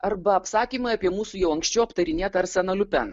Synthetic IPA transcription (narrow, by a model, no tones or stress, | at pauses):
ɐɾbɐɐpsɑːkʲiːmɐɪɐpʲiɛmuːsuːjɛʊɐŋksʲt͡ʃʲɛʊɐpt̪ɐɾʲɪnʲeːt̪ɐɐɾsʲɛnɐlʲʊpʲɛn